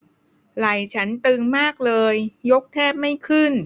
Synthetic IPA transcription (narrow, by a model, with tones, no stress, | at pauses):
ɾa˨˩jt͡ɕʰa˦˥nt̪ɯː˧ŋmaː˥˩k̚lɤː˧jːo˦˥k̚t̪ʰɛː˥˩p̚ma˥˩jkʰɯ˥˩n